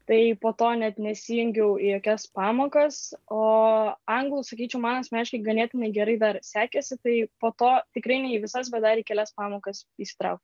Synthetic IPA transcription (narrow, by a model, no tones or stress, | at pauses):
t̪ɐɪpoːt̪oːnʲɛt̪nʲɛsʲiːjʊŋʲɡʲɛʊijoːkʲɛspɑːmoːkɐsoːɐŋɡlˠusɐkʲiːt͡ʃʲɛʊmɑːnɐsmʲæːʃʲkʲɛɡɐnʲeːt̪ʲɪnɐɪɡʲɛɾɐɪd̪ɐrsʲæːkʲɛsʲɪt̪ɐɪpoːt̪oːt̪ʲɪkɾɐɪnʲɛɪiʋʲɪsɐs̬bʲɛt̪d̪ɐɾiːkʲɛlʲæspɑːmoːkɐsisʲɪ̥t̪ɾɐʊk̚t̪ʲ